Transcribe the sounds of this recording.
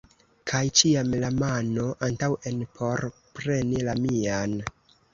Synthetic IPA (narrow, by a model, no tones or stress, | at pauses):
kʰajt͡ʃiamlamano̞ʔantawe̞npʰo̞ɾpɾe̞nilamian